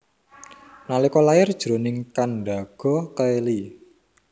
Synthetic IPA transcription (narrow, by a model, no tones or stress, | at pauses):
nalikɔlajɪrd̥ʒ̥ɾo̤nɪŋkanɖa̤ɡ̥ɔ̤kəeli